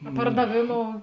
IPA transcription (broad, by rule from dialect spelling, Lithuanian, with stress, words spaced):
ɐ pɐrdɐˈʋʲeːˌmoːʊ